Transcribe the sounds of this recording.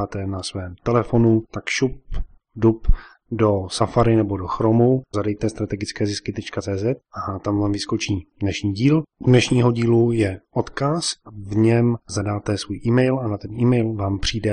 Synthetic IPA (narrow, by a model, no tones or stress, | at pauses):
aːt̪ɛnasvɛːmt̪ɛlɛfo̞nut̪akʃup | dup | do̞safaɾɪnɛbo̞doxɾomuzadɛjt̪ɛst̪ɾat̪ɛɡɪt͡skɛːzɪskɪt̪ɛt͡ʃkat͡sɛːzɛt̪̚ʔat̪amvaːmvɪsko̞t͡ʃiːdnɛʃɲiːɟiːludnɛʃɲiːɦo̞ɟiːlujɛʔot̪kasvɲɛmzadaːt̪ɛsvuːjʔiːmɛjlanat̪ɛniːmɛjlvaːmpr̝̥iːdɛ